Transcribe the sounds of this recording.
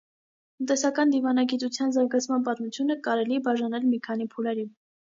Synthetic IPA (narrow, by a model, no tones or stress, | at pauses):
t̪ənt̪ɛsɑkɑnd̪ivɑnɑɡit̪ut͡sʰjɑnzɑɾɡɑt͡sʰmɑnp̬ɑt̪mut͡sʰjunəkɑɾɛliɛbɑʒɑnɛlmikʰɑnipʰulɛɾin